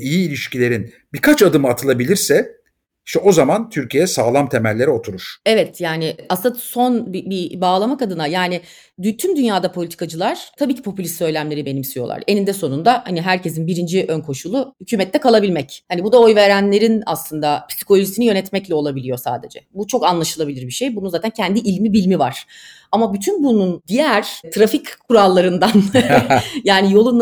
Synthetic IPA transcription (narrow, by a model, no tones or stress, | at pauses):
ijiːlʲiʃcilʲe̞ɾin | bikʰat͡ʃad̪ɯmɯat̪ʰɯlˠabilʲiɾsɛ | iʃt̪ɛo̞zamant̪ʰyɾcʰijejɛsaːlˠamt̪ʰemælʲːe̞ɾio̞t̪ʰuɾuɾ̥ɛvɛt̪jaːnɪʔasso̞nbibibaːlˠamakad̪ɯnajaːnɪ | d̪yt̪ʰymd̪ynjaːd̪apʰo̞lʲit̪ʰi̥kʰad͡ʒɯlˠaɾ̥t̪ʰabiːcʰi̥pʰo̞pylʲist̪sø̞jlʲæmlʲe̞ɾibe̞nimsijo̞lˠa̰ɾe̞nind̪ɛso̞nund̪ahaniɦæɾce̞s̬inbiɾind͡ʒiʔønkʰo̞ʃulˠʊhycʰyːmɛt̪ʰːɛkʰalˠabilʲmɛchanibud̪ao̞jve̞ɾænlʲe̞ɾinaslˠɯnd̪apʰi̥si̥ko̞lʲoʒisinijø̞nɛt̪mɛclʲɛo̞lˠabilʲijo̞sa̰ːd̪e̞d͡ʒɛ̰but͡ʃʰo̞kanlˠaʃɯlˠabilʲiɾbiʃejbununzaːt̪ʰæncʰænd̪iʔilʲmibilʲmiva̰ɾ̥ | amabyt̪ʰynbunund̪ijæɾ̥t̪ʰɾafickʰːuɾalˠːaɾɯnd̪an | jaːnijo̞lˠun